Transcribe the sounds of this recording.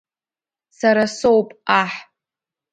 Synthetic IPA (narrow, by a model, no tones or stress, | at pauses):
saɾasowpʼaħ